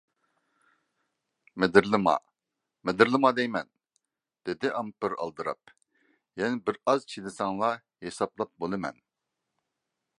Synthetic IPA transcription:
mɪd̪ɪɾlɨmɑ̰ | med̪ɪɾlˠɨmɑd̪ɛjmɛn | d̪̥ɪd̪ɪʔɑmpɨɾɑ̰lˠd̪ɨɾɑ̰p̚ | jɛnɪbɪɾɑzt͡ʃʰid̪ɪsɑŋlˠɑ | jesɑplˠɑp̚bolˠɨmɛ̰n

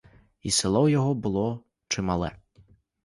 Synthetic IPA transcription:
isɪlˠɔwjɔɦɔbʊlˠɔ | t͡ʃɪmɑlˠɛ̰

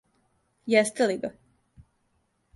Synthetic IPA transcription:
jɛst̪eliɡa

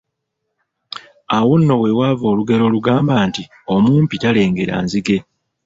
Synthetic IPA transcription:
awo̞nːo̞we̞waːvo̞ːluɡe̞lo̞luɡaːmbaːnti | o̞muːmpitale̞ːŋɡe̞ɾa̰ːnziɡe̞

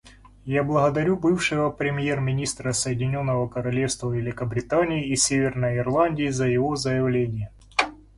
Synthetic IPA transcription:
jablˠəɣəd̪ɐɾʲubɨfʂɨvəpɾʲɪmʲjermʲɪnʲist̪ɾəsəjɪdʲɪnʲo̞nːəvəkəɾɐlʲe̞fst̪vəvʲɪlʲɪkəbɾʲɪt̪anʲɪːisʲevʲɪrnəjɪrlˠanʲdʲɪːzəjɪvo̞zəjɪvlʲenʲɪjə

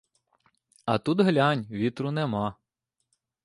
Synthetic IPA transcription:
ɐt̪ud̪ɦlʲanʲʋʲit̪ɾʊnɛmɑ

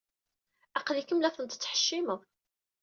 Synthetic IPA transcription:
æqlikəmlæθənt̪ə̥t͡sːħə̥ʃːiməʁ

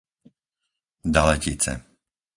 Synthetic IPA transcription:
d̪alɛcit͡sɛ̰

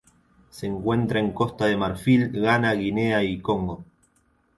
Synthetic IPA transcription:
seːŋkwe̞nt̪ɾae̞ŋko̞st̪aðe̞maɾfilɣanaɣineaikoŋɡo

